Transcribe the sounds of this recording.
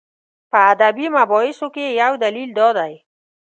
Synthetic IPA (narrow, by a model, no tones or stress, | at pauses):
pəːd̪abimabɔɪsokejawd̪alild̪ɔd̪aj